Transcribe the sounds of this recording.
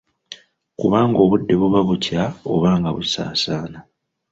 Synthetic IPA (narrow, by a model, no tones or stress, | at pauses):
kuβaːŋɡo̞ːβudːe̞βuβaβucao̞̰βaːŋɡaβusa̰ːsaːna